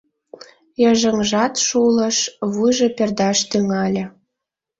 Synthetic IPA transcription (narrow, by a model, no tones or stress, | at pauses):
jəʒə̆ŋʒɑt̪ʃulə̆ʃβujʒĕperd̪ɑʃt̪yŋɑlʲə̆